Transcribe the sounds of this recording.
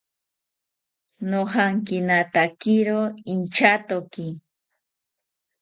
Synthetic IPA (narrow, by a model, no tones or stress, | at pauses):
nohɑŋkɪnat̪akɪɾoɪnt͡ʃat̪okɪ